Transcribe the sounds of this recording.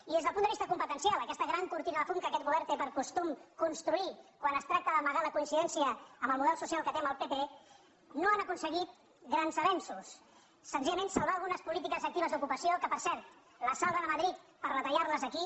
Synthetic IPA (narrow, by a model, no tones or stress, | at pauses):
iðezðəlpund̪əβist̪əkumpət̪ənsjalˠəkɛst̪əɣɾaŋkuɾt̪inəðəfuŋkəkɛt̪̚ɣuβɛɾt̪epəɾkust̪umkunst̪ɾuikwanəst̪ɾak̚t̪əðəməɣaləkuinsiðɛnsiəːmbəlˠmuðɛlˠsusialˠkət̪eəmbəlˠpepe | noanəkunsəɣit̪̚ | ɣɾanzəβɛnsusː | ənziʎəmẽnsalˠβaəlˠɣunəspulit̪̬ikəzək̚t̪iβəzd̪ukupəsiokəpəɾsɛɾt̪ | ləsalˠβəðəməðɾit̪pəɾrət̪əʎarləzəki